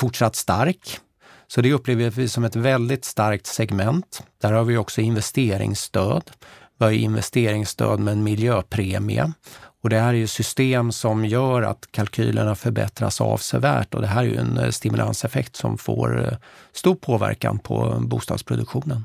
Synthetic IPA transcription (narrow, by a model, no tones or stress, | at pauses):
fʊʈʂat̪ːst̪aɾk | sɔd̪ɛɵpːleːvəjvɪsɔmɛt̪vɛld̪ɪt̪st̪aɾk̚t̪sɛɡmɛnt̪d̪̥æɾhaːɾvɪjɔksɔɪnvɛst̪eːɾɪ̰ŋst̪øːd̪bɑɾəɪnvɛ̰st̪eːɾɪŋst̪ø̰ːd̪mɛmɪljøːpʰɾeːmɪa̰ɔd̪ɛhæːɾæɾjɵsʏst̪eːmsɔmjœːɾa̰t̪kʰalkʰy̰ːləɳafœɾbɛ̰t̪ɾa̰sa̰vsɛvæːʈɔd̪ɛɦæːɾæjɵ̰ɛ̰nst̪ɪmɵlʔa̰nsɛfɛkt̪sɔ̰mfo̰ːɾst̪uːʈ̚pʰoːvæ̰ɾka̰npʰɔ̰buːst̪ɑːd̪spʰɾʊd̪ɵkɧuːnən